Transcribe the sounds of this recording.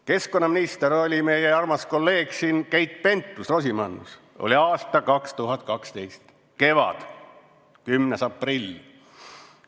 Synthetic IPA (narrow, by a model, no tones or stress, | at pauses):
ke̞sko̞nːɑminist̪eɾo̞lʲime̞jeɑrmɑsko̞lːe̞ːɡ̥siːnkejt̪̚ˑpe̞nt̪ːˑusro̞s̬ʲimɑnːṵs | o̞̰lʲiɑːst̪ɑkɑkst̪uɦɑt̪̚ːˑkɑkst̪e̞jst̪ | ke̞vɑ̰d̪̥ | kymnesɑprilʲ